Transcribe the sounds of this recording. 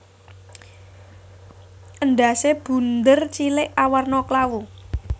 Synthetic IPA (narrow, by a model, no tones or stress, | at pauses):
ʔənɖa̤seb̥ṳnd̪ərt͡ʃilɪʔawarnɔklawu